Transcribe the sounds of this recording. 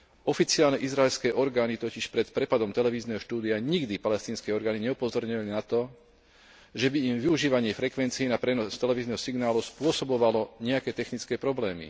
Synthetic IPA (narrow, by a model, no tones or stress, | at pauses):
ɔfit͡siɪalnɛʔizɾaɛlskɛːʔɔɾɡaːnit̪ɔciʃpɾɛt̪pɾɛpad̪ɔmt̪ɛlɛʋiːznɛɦɔʃt̪uːd̪iaɲiɡd̪ipalɛst̪iːnskɛɔɾɡaːniɲɛupɔzɔɾɲɔʋalinat̪ɔ | ʒɛbiimʋiuʒiːʋaɲɪɛfɾɛkʋɛnt͡siinapɾɛnɔst̪ɛlɛʋiːznɛɦɔsiɡnaːluspʊɔsɔbɔʋalɔɲɛakɛːt̪ɛxnit͡skɛːpɾɔblɛːmḭ